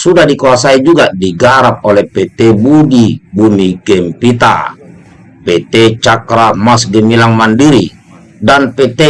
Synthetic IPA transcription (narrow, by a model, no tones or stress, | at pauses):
sudahdikuasaid͡ʒuɡadiɡaɾap̚olɛpet̪ɛbudibumiɡɛmpit̪a̰ | pet̪ɛt͡ʃakɾamasɡɛmilaŋmandiɾi | danpet̪e